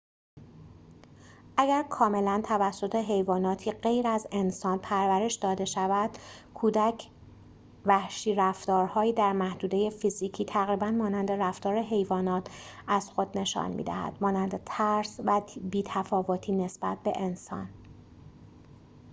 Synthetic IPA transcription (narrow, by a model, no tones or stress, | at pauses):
ʔæɡæɾkʰɒːme̞lænt̪ʰævæsːo̞t̪ʰe̞ɦe̞jvɒːnɒːt̪ʰiːɢe̞jɾæze̞nsɒːnpʰæɾvæɾe̞ʃd̪ɒːd̪e̞ʃævæd̪̥kʰuːd̪æcʰ | væhʃiːɾæft̪ɒːɾhɒːjiːd̪æɾmæhd̪uːd̪e̞je̞fiziːcʰiːt̪ʰæɣɾiːbænmɒːnænd̪e̞ɾæft̪ɒːɾeɦe̞jvɒːnɒːt̪ʰæz̥xo̞d̪ne̞ʃɒ̰ːnmḭd̪æ̰hæ̰d̪̥mɒːnænd̪e̞t̪ʰæɾsvæbiːt̪ʰæfɒːvot̪ʰiːne̞sb̥æ̰t̪̚be̞ʔe̞nsɒ̰n